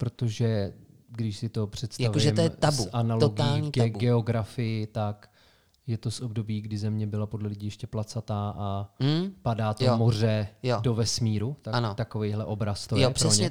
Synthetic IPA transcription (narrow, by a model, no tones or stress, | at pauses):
pɾot̪oʒɛ | ɡdɪʃsɪt̪o̞pr̝̥ɛt̪stjaavoɪʒɛmojɛt̪asbuʔanalotɡ̪aiːlɲiɡɛuɡɛoɡɾafɪjɪt̪ak | jɛt̪o̞sʔo̞b̚do̞biːɡdɪzɛmɲɛbɪlapodlɛlɪɟiːjɛʃcɛplat͡sat̪aːʔa | padaːt̪omor̝ɛjodo̞vɛsmiːɾut̪aanot̪ako̞vejɦlɛʔo̞bɾast̪ojo̥ɾɛɲɲɛ